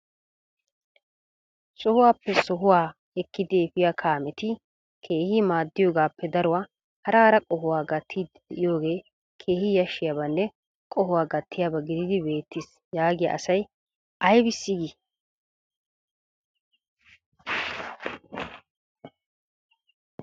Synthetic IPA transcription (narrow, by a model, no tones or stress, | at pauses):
sɔhʊwaːpːɛsɔɦʊwaː | ɛkːɪd̪eːfɪjakʰaːmɛt̪ɪ | kʰe̞ːhɪmaːd̪ːɪjoːɡaːpːɛd̪ɐɾʊwaː | hɐɾɐɾɐkʼɔɦʊwaːɡɐt̪ʰːid̪ | ɛɪjo̞ːɡe̞ː | kʰe̞ːhɪjɐʃːɪjaːbɐnːɛ | kʼɔɦʊwaːɡɐt̪ʰːɪjaːbɐɡɪd̪ɪd̪ɪbe̞ːt̪ːɪs | jaːɡɪja̰ʔɐsɐj | ʔɐjbɪsːiɡɪ